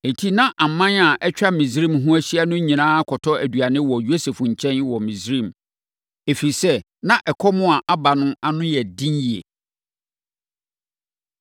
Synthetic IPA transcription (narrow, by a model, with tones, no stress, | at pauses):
n̩˨tʰi˦nã˦ʔa˨m˨˦mã˦na˨ʔɛ˦t͡ɕᶣa˦mĩ˨s̬ɾĩ˦˨mɦʊ̃˦æ˦ɕi˦a˦nʊ̃˦ɲĩ˨nãː˦kʰɔ˨tʰɔ˦æ˨dɥa˨nɪ̃˦wɔ˨jo˦se˨fɲ̩˨t͡ɕʰɛ̃˦nwɔ˨mĩ˨sɾĩ˦˨m | e˨fi˨i˨sɛ˦ | nã˦ʔɛ˨kʰɔ˦mʊ̃˦a˨ʔa˦ba˨nʊ̃˦a˨nʊ̃˦jɛ˨dĩ˦nji˨ḛ˨